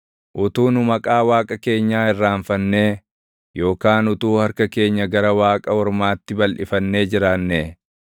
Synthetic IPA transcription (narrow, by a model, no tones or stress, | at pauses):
ʔʊt̪uːnʊmɐkʼaːwaːkʼɐke̞ːɲːaːɪrːaːɱfɐnːe̞ː | jo̞ːkaːnʊt̪uːhɐɾkɐke̞ːɲːɐɡɐɾɐwaːkʼɐɔɾmaːt̪ːɪbɐlʔɪfɐnːe̞ːd͡ʒɪɾaːnːeː